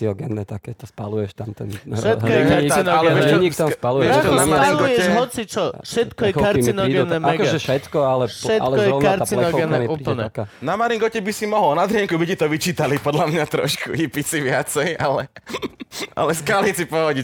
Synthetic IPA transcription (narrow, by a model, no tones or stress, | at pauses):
iɔɡɛnːɛt̪akɛt̪ɔspalujɛʃt̪amt̪ɛ̰nʃɛt̪kɔjɛɛanɔalɡɛɛɲit̪amspaluɛtɔnamaɾiŋlɡɔujɛɛʒɦɔt͡sit͡ʃɔfʃɛt̪kɔjɛkkaɾinɔɡɛnːɛmaɛɡɔʒɛʃɛt̪kɔalɛʃɛtlɛkɔjɛɔɔaɾat͡silɛɔɡɛnɛmuːipl̩ɲɛ̰kanamaɾiŋɡɔcɛbisimɔɦɔlnad̪ɾɪɛŋkubicɛt̪ɔʋit͡ʃiːt̪alipɔd̪lamɲat̪ɾɔ̰ʃkṵɦipit͡siʋɪat͡sɛjalɛ | a̰lɛskalit͡sipɔɦɔɟic